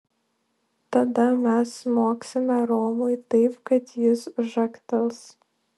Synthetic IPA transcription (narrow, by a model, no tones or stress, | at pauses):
t̪ɐd̪ɐmʲɛsmoːksʲɪmʲɛɾoːmʊɪt̪ɐɪpkɐt̪jɪsʒɐkt̪ʲɐlˠs